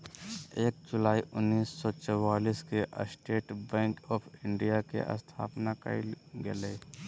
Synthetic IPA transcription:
eːk̚d͡ʒʊlaːiʔʊnːiːsːɔt͡ʃɔwaːliːskeʔə̰sʈeːʈbɛ̃ːŋkɔːpʰɪ̃ɳɖijakḛʔə̰st̪ʰa̰ːpnakə̰ilɡɐleː

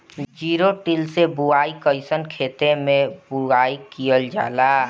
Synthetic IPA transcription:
d͡ʒiːɾoʈɪlsebuaːikəɪsənkʰeːt̪emẽbuaːikijəld͡ʒaːlaː

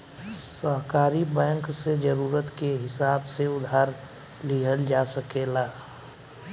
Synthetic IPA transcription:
səɦkaːɾibɛ̃ːŋksed͡ʒəɾuːɾət̪keɦɪsaːbseʊd̪ʱɦaːɾ | liɦəld͡ʒaːsəkeːlaː

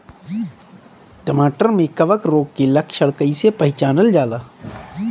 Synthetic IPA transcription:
ʈəmaːʈəɾmẽkɐʋəkɾoːɡkilɐkʰʃɐɽkəisepɐɦɪt͡ʃaːnəld͡ʒaːlaː

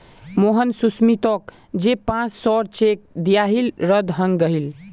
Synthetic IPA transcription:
moɦənsusmit̪ɔk̚ | d͡ʒepãt͡ʃsɔɾt͡ʃek̚d̪ijaɦilɾəd̪ʱɦəŋɡɡəɦil

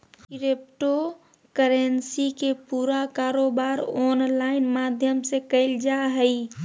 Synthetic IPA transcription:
kɾep̚ʈo | kəɾənsikepuːɾakaːɾoːbaːɾɔːnlaːɪnmaːd̪ʱjəmsekəɪld͡ʒaɦəi

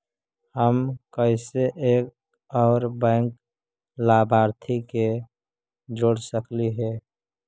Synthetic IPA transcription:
həmkəɪseʔeːk̚ | ɔːɾbɛ̃ːŋk | laːbʱaːɾt̪ʰike | d͡ʒoːɽsəkliɦɛː

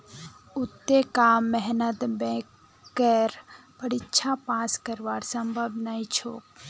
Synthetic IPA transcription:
ʊt̪ːekaːmːɛɦnət̪bɛ̃kː | əɾb̥əɽɪtːʃʰapãːskəɾʋaːɾsəmbʱəbnaĩt͡ʃʰo̰ːk

